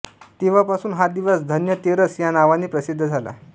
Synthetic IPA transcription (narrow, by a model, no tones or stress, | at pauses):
t̪eʋ̤apasuːnɦad̪iʋəsd̪ʱənjət̪eɾəsjanaʋaniːpɾəsid̪ʱːəd͡zʱala̰